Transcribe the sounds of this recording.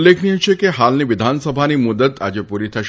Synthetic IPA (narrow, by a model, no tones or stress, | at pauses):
lːekʰniũt͡ʃʰekeɦalniʋɪd̪ʱansəbʱanimʊd̪ət̪a̰d͡ʒepuɾit̪ʰəʃ